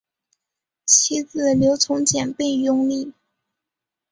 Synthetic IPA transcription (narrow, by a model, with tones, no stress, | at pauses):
t͡ɕʰi˥t͡sɹ̩˥˩ljo˧˥ʊt͡sʰʊ˧˥ŋt͡ɕjɛ˨˩npe˥˩ɪjʊ˥ŋli˥˩